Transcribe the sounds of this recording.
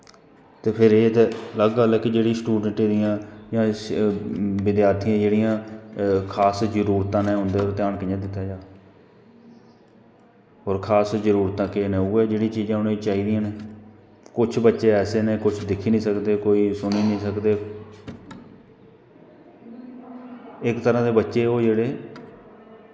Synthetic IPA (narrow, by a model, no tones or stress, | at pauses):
t̪eːpʰɪɾeːt̪ːləɡaːləɡkid͡ʒeːɽĩːsʈuːɖəɳʈeːd̪ijãːjãː | bɪd̪jaːt̪ʰijãːd͡ʒeːɽijãːkʰaːsd͡ʒəɾuːɾt̪ãːnẽːɦʊ̃nd̪eːoːɾt̪ɪjaːnkəãːd̪ɪt̪ːaːd͡ʒaː | oːɾkʰaːsd͡ʒəɾuːɾt̪ãːkeːnẽːuːɛːd͡ʒeːɽĩːt͡ʃiːzãːʊnẽːt͡ʃaːiːd̪ijãːneː | kʊt͡ʃʰbətːʃeːɛːseːneːkʊt͡ʃʰd̪ɪkʰːiːnĩːsəkd̪eːkoːiːsʊniːnĩːsəkd̪eː | ɪkt̪əɾãːd̪eːbətːʃeːoːd͡ʒeːɽeː